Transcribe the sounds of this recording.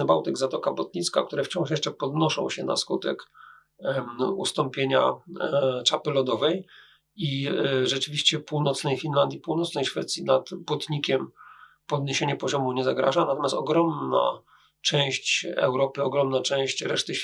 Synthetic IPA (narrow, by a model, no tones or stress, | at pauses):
ɛbawt̪ɘɡzat̪ɔkabɔt̪̚ɲit̪ska̰kt̪uɾɛft͡ɕɔ̃w̃ʂ̬jɛʂt͡ʂɛpɔd̪nɔʂɔ̰̃w̃ɕɛna̰skut̪ɛ̰k | ṵst̪ɔmpʲjeɲa̰ | t͡ʂapɘlɔd̪ɔvɛj | iʐɛt͡ʂɘvʲiɕt͡ɕɛpuwnɔt̪snɛjfʲinland̪ʲjipuwnɔt̪snɛjʂfɛt̪sʲjinat̪bɔt̪ɲikʲɛm | pɔd̪ɲeɕeɲɛpɔʑɔmuɲɛzaɡɾa̰ʐanat̪ɔmʲjast̪ɔɡɾɔmna̰ | t͡ʂɛ̃w̃ɕt͡ɕɛ̰wɾɔpɘɔɡɾɔmnat͡ʂɛ̃w̃ɕt͡ɕɾɛʂt̪ɘ